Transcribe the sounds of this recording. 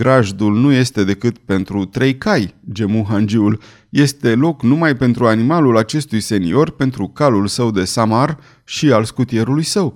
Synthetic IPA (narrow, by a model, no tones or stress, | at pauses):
ɡɾaʒd̪ulnuje̞st̪e̞d̪e̞kɨt̪̚pe̞nt̪ɾut̪ɾe̞jkajd͡ʒe̞muɦand͡ʒiul | je̞st̪e̞lo̞knumajpe̞nt̪ɾuanimalulat͡ʃe̞st̪ujse̞nḭo̞rpe̞nt̪ɾukalulsəwd̪e̞samar | ʃialskut̪ie̞ɾulujsəw